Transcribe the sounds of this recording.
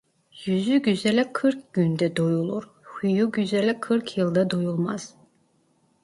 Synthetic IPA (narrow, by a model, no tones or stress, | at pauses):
jyzyɟyzɛlɛkʰɯɾkɡ̥ʲynd̪ɛd̪ojulˠuɾ | hyjuɟyzɛlɛkʰɯɾkʰjɯlˠd̪ad̪ojulˠmaz̥